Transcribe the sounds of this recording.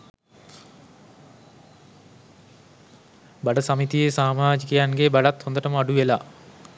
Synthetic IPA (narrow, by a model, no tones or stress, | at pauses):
baɖəsamit̪ijesaːmaːd͡ʒikejaŋɡebaɖat̪hond̪əʈəməaɖuʋelaː